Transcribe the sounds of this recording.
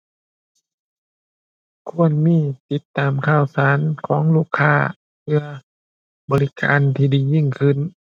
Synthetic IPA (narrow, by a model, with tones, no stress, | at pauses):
kʰu˧ənmiː˧˥˨t̪i˧˦t̪ːaː˨mkʰaː˧˥˩wsaː˨˦nkʰɔː˩˦ŋluː˧˥˩kʰːaː˧˩ | pʰɯ˧ɐ | bɔː˧li˧ka̰ː˨˦nt̪ʰiː˧˩diː˨˩ji˧˥˩ŋkʰɯ˧˥˨n